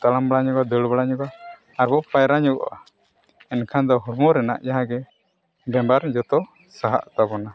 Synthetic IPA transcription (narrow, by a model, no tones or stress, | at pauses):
t̪alambɽaɲɔɡad̪əɽbaɽaɲɔɡaː | ɾbɔpajɾaɲɔɡɔ̰ʔa | ɛnkʰand̪ɔɦuɾmɔɾɛna̰ʔjaɦãɡɛ | bɛmbaɾd͡ʒɔt̪ɔ | saɦa̰ʔt̪abɔna